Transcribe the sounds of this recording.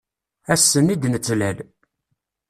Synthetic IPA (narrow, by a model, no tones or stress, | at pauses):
æsːənid̪nət͡sːlæl